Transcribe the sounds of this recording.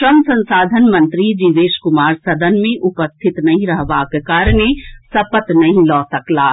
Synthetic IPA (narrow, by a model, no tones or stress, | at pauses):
ʃɾəmsə̃nsaːd̪ʱənmə̃nt̪ɾid͡ʒiʋeːʃkʊmaːɾsɐd̪ʱənmẽʔʊpəst̪ʰɪt̪nɐɦĩɾəɦbakekaːɾɽ̃esɐpət̪nɐɦĩlɔːsɐklaː